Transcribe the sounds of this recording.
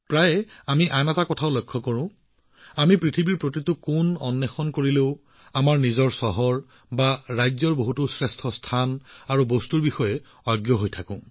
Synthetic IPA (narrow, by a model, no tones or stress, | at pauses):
pɹajɛamiʔanɛtakɔtʰaʊlojkʰːɔkɔɹʊ̃ | amipɹitʰibiɹpɹotitʊkunɔnːɛxɔnkoɹileʊ | amaɹnizɔɹsɔɦɔɹ | baɹajzɔɹboɦutʊsɹɛstʰɔstʰanaɹubostuɹbixɔjɛ | ɔjɡjɔɦojtʰakʊ̃